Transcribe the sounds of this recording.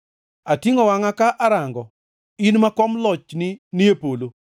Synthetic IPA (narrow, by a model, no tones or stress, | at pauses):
atiŋɔwaŋakaʔaɾaŋɡɔ | inmakɔmlɔt͡ʃnɪniepolo